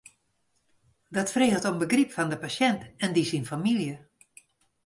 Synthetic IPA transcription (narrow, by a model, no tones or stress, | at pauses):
dɔtfreːəlˠtɔmbəɡripfɔndəpasjɛntɛndisinfamiljə